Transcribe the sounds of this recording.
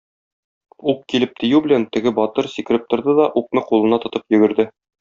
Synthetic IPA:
uq̚kilɘp̚t̪ĭjʉbɘ̆lænt̪ɘ̆ɡɘbɒt̪ɤɾsikɘ̆ɾɘp̚t̪ŏɾd̪ɤd̪ɒʔuq̚nɤqulˠɤ̆nɑt̪ŏt̪ɤpjɵ̆ɡɘ̆ɾd̪ɘ

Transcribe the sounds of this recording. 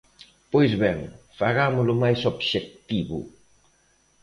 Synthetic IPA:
pojzβɛŋfaɣamʊlʊmajsobʃek̚t̪iβṵ

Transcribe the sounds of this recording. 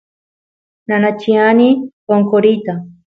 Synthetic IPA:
nanat͡ʃianipoŋkoɾit̪a

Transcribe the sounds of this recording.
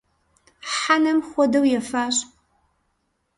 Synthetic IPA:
ħanɐmχʷɔdɐwjɛfaːɕ

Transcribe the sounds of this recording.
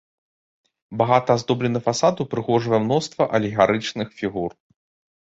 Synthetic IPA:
baɣat̪ɐːzd̪ɔblʲɛnɐfasad̪upɾɨɣɔʐvɐjɛmnɔst̪vɐʔɐlʲiɣaɾɨt͡ʂnɨxfʲiɣur

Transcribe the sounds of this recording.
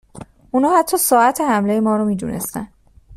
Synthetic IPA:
unɒːhæt̪ʰːɒːsɒːæt̪ʰehæmle̞jemɒːɾɔmiːd̪ṵnḛst̪æ̰n

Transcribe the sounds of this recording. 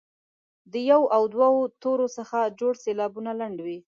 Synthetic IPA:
d̪əjawʔawd̪waot̪oɾosəxad͡ʒoɽselɑbunalaɳɖwi

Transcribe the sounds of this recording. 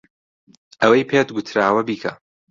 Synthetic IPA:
ʔɐwɐjpʰeːt̪ɡʊt̪ʰɾaːwɐbiːkʰɐ̰

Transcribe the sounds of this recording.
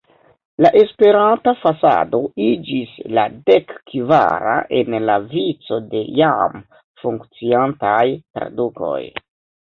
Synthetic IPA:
laʔe̞spe̞ɾantafasa̰do̞id͡ʒisladekːva̰ɾa̰ʔe̞nlavit͡so̞de̞jam | fuŋkt͡siantajtɾa̰duko̞̰j

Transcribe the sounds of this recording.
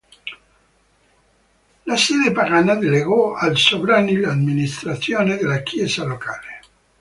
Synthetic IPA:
lasɛːd̪epaɾanːad̪eleɣɔalsovɾaːnilad̪minist̪ɾat̪sːjoːned̪elːakʰjɛːzalokaːle

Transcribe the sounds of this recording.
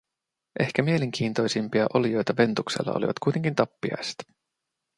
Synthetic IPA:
ʔe̞hkæmie̞le̞ŋk̟ʰiːnt̪o̞jsimpiɑʔo̞lijo̞jt̪ɑʋe̞nt̪uksḛlːɑ̰olḭʋɑt̪kujt̪e̞ŋkint̪ɑpːiɑ̰jse̥t̪

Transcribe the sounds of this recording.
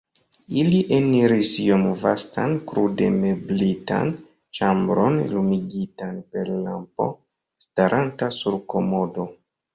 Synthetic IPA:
iliʔeniɾisijomvastankɾude̞me̞blita̰n | t͡ʃambɾo̞nlumiɡitanpe̞ɾlampo̞̰ | staɾʔantasuɾko̞mo̞do̞

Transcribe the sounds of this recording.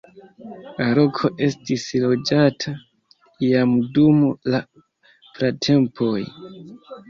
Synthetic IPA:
aɾo̞kʰo̞ʔe̞stislo̞d͡ʒatʰa | ijamdumla | pɾatʰe̞mpʰo̞j

